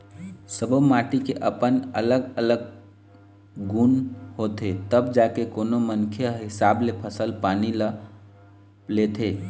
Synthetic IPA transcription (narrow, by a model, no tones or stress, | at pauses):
səbəmaʈikeʔəpənə̰ləɡələɡ̚ | ɡunɦot̪ʰet̪əbd͡ʒakekonomənkʰeɦɪsablepʰəsəlpanilə | let̪ʰe